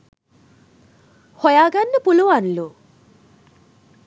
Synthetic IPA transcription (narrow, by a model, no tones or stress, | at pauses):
hɔjaɡanːəpuluwanlu